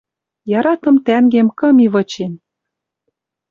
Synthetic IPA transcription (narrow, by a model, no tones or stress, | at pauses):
jɑɾɑt̪ɤ̆mt̪æŋɡemkɤ̆miβɤ̆t͡ɕen